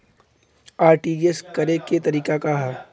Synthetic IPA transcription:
aːɾʈiːeskɐɾeket̪ɐɾiːkakaɦɐ

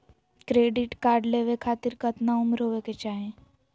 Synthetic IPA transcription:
kɾeːɖɪʈkaːɾɖleːʋekʰaːt̪ɪɾkət̪naʊmɾɦoːʋeket͡ʃaːɦẽː

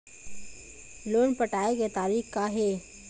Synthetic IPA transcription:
loːnpəʈaːeket̪aːɾiːxkaɦe

